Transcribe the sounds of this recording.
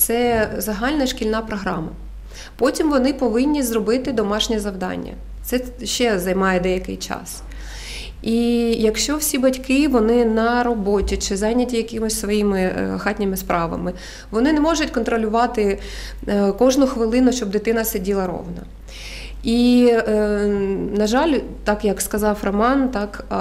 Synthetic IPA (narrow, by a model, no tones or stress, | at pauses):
t̪sɛzɐɦɑlʲnɐʃkʲilʲnɑpɾɔɦɾɑ̰mɐ | pɔtʲimʋɔnɪpɔʋɪnʲːizrɔbɪt̪ɪd̪ɔmɑʃnʲɛzɐwd̪ɑ̰nʲːɐ̰ | t̪sɛ | ʃt͡ʃɛzɐjmɑjɛd̪ɛjɐkɪ̰jt͡ʃɑ̰s | ijɐkʃt͡ʃɔwsʲibɐtʲkɪʋɔnɪnɐɾɔbɔtʲit͡ʃɪzɑjnʲɐtʲijɐkɪmʊsʲsʋɔjimɪxɑtʲnʲɪmɪspɾʔɑʋɐ̰mɪ | ʋɔnɪnɛmɔʒʊtʲkɔnt̪ɾɔlʲʊʋɑt̪ɪ | kɔʒnʊxʋɪlˠɪnʊʃt͡ʃɔb̚d̪ɪt̪ɪnɐsɪdʲilˠɐɾɔ̰wnɐ̰ | i | nɐʒɑlʲt̪ɑkjɐkskɐzɑwrɐmɑnt̪ɑk